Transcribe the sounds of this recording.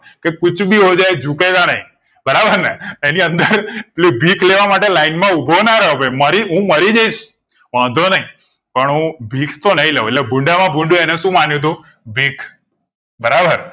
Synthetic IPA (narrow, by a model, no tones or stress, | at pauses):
kekʊt͡ʃʰbʱiɦod͡ʒaed͡ʒukeɡanəɦĩ | bəɾabəɾneeniənd̪əɾlibʱikʰleʋamaʈelainmãubʱonaɾəɦobeməɾiɦũməɾid͡ʒaiʃ | ʋãd̪ʱonəɦĩ | pəɳɦũbʱikʰt̪onəɦĩleɦũelebʱuɳɖamãbʱuɳɖjũenɛʃũmanjũt̪̬ũ | bʱikʰ | bəɾabəɾ